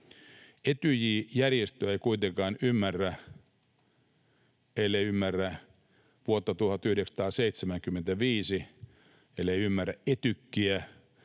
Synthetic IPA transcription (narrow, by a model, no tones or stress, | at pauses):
et̪yjiːjærjest̪øeikuit̪eŋkɑːnymːærːæ | elːeiymːærːæ | ʋuot̪ːɑt̪uhɑt̪yhɾeksɑ̥t̪ɑːseit̪semæŋkymːent̪æʋiːsi | elːeiymːærːæʔʔet̪ykːiæ